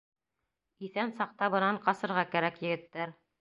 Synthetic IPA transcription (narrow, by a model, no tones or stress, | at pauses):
iθænsɑq̚t̪ɑβɤ̆nɑɴqɑsɤ̆ɾʁɑkæɾækjɘ̆ɡɘ̆t̪ːæɾ